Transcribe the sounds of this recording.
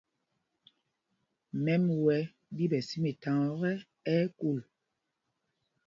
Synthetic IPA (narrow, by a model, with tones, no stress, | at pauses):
mɛ˦mwɛ˦ | bi˦bɛ˨si˦me˨ta˨ŋɔ˦ɣɛ˦ | ɛ˦ku˦˨l